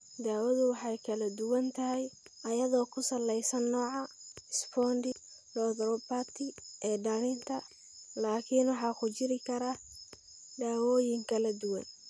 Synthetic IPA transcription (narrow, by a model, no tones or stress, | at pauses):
d̪aːwɐðʊwɑħɑjkʰɐlɐd̪ʊwɐnt̪ʰɐɦɛjɐjɐðɔːkʰʊsɐlːɛjsɐnːɔːʕɑɪspʰɔːndɪlɔðɾɔbaːt̪ʰɪʔɛːɖɐlɪnt̪ʰɐ | laːkʰinwɑħɑːkʰʊt͡ʃɪɾɪkʰɐɾa | d̪aːwɔːjɪŋkʰɐlɐd̪ʊwɐ̰n